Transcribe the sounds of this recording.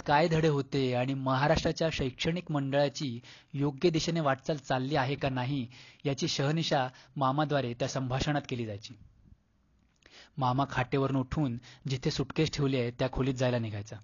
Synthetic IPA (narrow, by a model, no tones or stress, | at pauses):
kajd̪ʱəɽeɦot̪eaɽ̃iməɦaɾaʂʈɾat͡ɕjaɕəjkʂəɳ̃ikməɳɖəɭjat͡ɕiː | joɡjəd̪iɕeneʋaʈt͡salt͡salːiːaɦekanaɦijat͡ɕiːɕəɦniɕamamad̪ʋaɾet̪jasəmbʱaɕəɳ̃at̪keliːd͡zajt͡ɕiː | mamakʰaʈeʋəɾunuʈʰuːnd͡ʑit̪ʰesuʈkesʈʰeʋljet̪jakʰoliːt̪̚d͡zajlaniɡʱajt͡sa